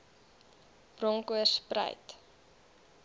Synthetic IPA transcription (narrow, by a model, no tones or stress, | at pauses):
b̥rɔŋkuəsprə̰jt